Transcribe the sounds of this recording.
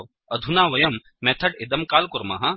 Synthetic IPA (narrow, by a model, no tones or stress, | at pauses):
ʋ | ɐd̪ʱunaːʋɐjɐmːɛːt̪ʰɐʈɪd̪ɐmkaːlkʊɾma̰ɦɐ